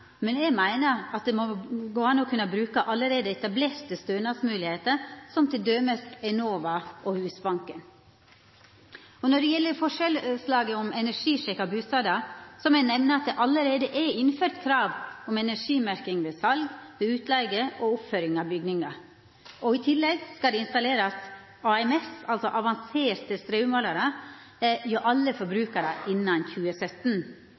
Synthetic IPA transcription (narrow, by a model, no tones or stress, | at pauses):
mɛnɛɡmæɪnəɾɑt̪̚d̪ɛmɔɡoːɑnɔkʰʉnːəbɾʉːkəʔɑlːəɾeːd̪əɛt̪ɑbleːɾt̪ːɪst̪øːnɑsmʉːlɪheːt̪əɾsɔmt̪ʰɪld̪øːməsɛnoːʋɑʔɔhʉːsbɑŋkən | ɔnɔɖɛjɛlːəɾfɔʂɛlslɑːɡəɔmɛnæʂiːʂɛkɑbʉːst̪ɑːd̪ɑsɔmɛnɛʋnəɑt̪̚d̪ɛʔɑlːəɾeːd̪əʔɛɪnføːɾt̪kʰɾɑːʋɔmɛnæʂiːmæɾkɪŋʋeːsɑlɡʋeːʉːt̪ʰlɛɡəʔɔʊpføɾɪŋɑʋbʏɡnɪŋɑ | ʔɔɪt̪ʰɪlːɛɡskɑld̪ɛɪnst̪ɑleːɾɑs | ɑɛmɛsɑlsɔʔɑʋɑnseːɾt̪əst̪ɾeʉmolɑɾə | joʔɑlːəfɔɾbɾʉːkəɾəʔɪnːɑnçʉːəsœt̪n